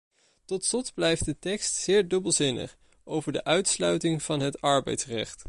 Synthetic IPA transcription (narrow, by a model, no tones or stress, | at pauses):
tɔtslɔtblɛjft̚dətɛkstsɪːɹdɵbəlˠzɪnə̰χ | ʔowvəɹdəʔœɥtslœɥtɪŋv̥ɑnɦətɑɹbɛ̰jtsrɛχt